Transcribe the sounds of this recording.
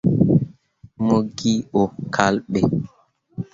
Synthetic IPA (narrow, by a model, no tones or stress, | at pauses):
moɡiʔɔkʰalɓɛ